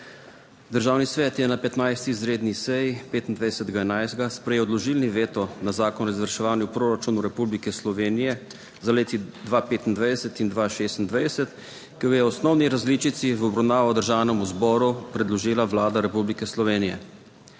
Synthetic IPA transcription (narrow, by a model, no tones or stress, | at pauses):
d̪əɾʒaːwnisʋɛːt̪jɛnapɛt̪najst̪izɾeːd̪nisɛjipeːt̪ind̪ʋajd̪ɛsɛt̪ɡaɛnajzd̪ɡaspɾɛjɛwd̪lɔʒiːlniʋeːt̪ɔnazaːkɔnɔizʋəɾʃɛʋaːnjupɾoːɾat͡ʃuːnuɾɛpublikɛslɔʋeːnijɛ | zaleːt̪id̪ʋapeːt̪ind̪ʋajd̪ɛsɛt̪ind̪ʋaʃeːst̪nd̪ʋajd̪ɛsɛt̪ | kiɡajɛɔsnɔwniɾazlit͡ʃit̪siʋɔbɾawnaːʋɔd̪əɾʒaːwnɛmuzbɔːɾupɾɛd̪lɔʒiːlaʋlaːd̪aɾɛpublikɛslɔʋeːnijɛ̰